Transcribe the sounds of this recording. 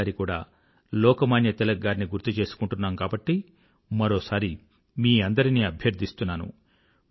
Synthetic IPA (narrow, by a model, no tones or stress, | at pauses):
aɾikuːɽa̰ː | lɔːkɐmaːnjɐt̪ɛlɐɡːaːɾniɡuɾt̪ut͡ʃe̞ːsu̥kuɳʈunːaːmkaːbɐʈːi | mɐɾoːsaːɾi | miːɐnd̪ɐɾiniːɐbʱjɐɾd̪ʱist̪unːaːnṵ